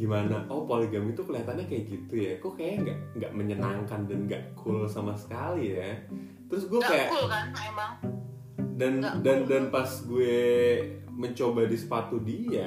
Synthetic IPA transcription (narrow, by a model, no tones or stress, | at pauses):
ɡimanaʔopoliɡamit̪ukəliɦat̪anɲakajaʔɡit̪ujakukajaŋɡaʔŋɡa̰ʔməɲənaŋkandanɡa̰ʔkʰʊlsamasə̥kalija | t̪əɾʊsɡuakajaʔ | dandandanpasɡue | məɲt͡ʃobadisə̥pat̪udia